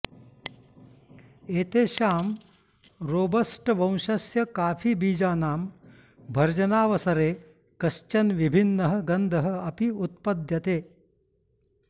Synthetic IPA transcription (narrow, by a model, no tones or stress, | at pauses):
eːt̪eːʃaːm | ɾoːbɐsʈʋɐ̃w̃ʃɐsjɐkaːfʰibiːd͡ʒaːnaːm | bʱɐɾd͡ʒɐnaːʋɐsɐɾeː | kɐʃt͡ʃɐnʋibʱinːɐɦɐ̆ɡɐnd̪ʱɐɦɐ̆ɐpiut̪̚pɐd̪jɐt̪eː